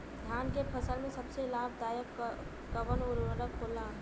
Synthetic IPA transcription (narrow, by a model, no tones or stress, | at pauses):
d̪ʱjaːnkepʰəsəlmẽsəbselaːbʱd̪aːjəkː | əbənɔːɾoəɾəkːoːla